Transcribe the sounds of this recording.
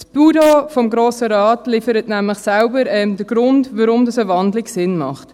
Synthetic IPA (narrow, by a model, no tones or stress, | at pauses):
sb̥udofɔmɡɾoːsəɾɑːtlifəɾətnæmləχsælbəɾɛmd̥əɡ̥ɾʊntʋaɾʊmdɑsəvɑndlɪɡsɪnmɑ̰χt